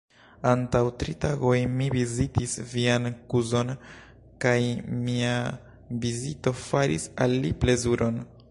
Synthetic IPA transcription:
antawtɾitaɡo̞jmivizitisviankuzo̞n | kajmia | vizito̞faɾḭsa̰lːiple̞zuɾʔo̞n

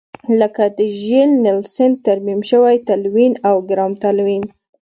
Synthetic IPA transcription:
ləkad̪əʒelnɪlsɪn̚t̪aɾmimʃəwajt̪alwinawɡɾɑmt̪alwin

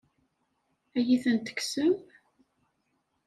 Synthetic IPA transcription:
æjiθənt̪ə̥ksəm

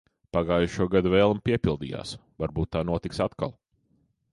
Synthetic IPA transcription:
paɡaːjuʃuɔɡad̪uvɛːlˠmpiɛpʲilˠd̪ḭːja̰ːsvaɾbuːt̪̚ːaːnuɔt̪iksat̪ka̰lˠ

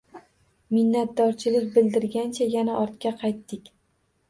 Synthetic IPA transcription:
mɪnːat̪̚d̪ɒɾt͡ʃʰɪlɪkʲbɪld̪ɪɾɡʲant͡ʃʰajanaʔɒɾt̪̚kʲaqʰɑjt̪ːɪkʲ

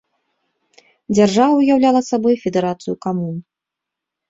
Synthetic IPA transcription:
d͡zʲarʐavɐwujawlʲalˠɐsabɔjfʲɛd̪ɛɾat̪sɨjukamun

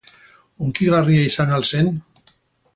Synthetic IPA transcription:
uŋkiɣariaisanalse̞n

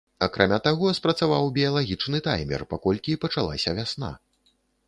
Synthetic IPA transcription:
akɾʔamʲat̪aɣɔspɾɐt̪savawbʲijalˠaɣʲit͡ʂnɨt̪a̰jmʲɛ̰rpakɔlʲkʲipɐt͡ʂalˠa̰sʲɐvʲasna̰

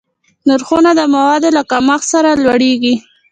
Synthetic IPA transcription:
naɾxunad̪əmawɑd̪olakamaxsaɾalwaɽeɡi

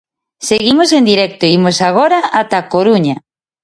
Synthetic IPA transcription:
seɣimosend̪iɾɛk̚t̪oimosaɣ̞oɾaat̪akoɾuɲa

